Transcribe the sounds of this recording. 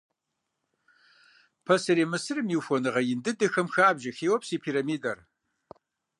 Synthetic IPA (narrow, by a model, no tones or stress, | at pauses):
pʰɐsɨɾiːmɨsɨrɨmjiwfʷɔnɨʁɐjɪndɨdɨxɐmxaːbʒɐxeːwɔpsiːpʰiːɾɐmiːdɐr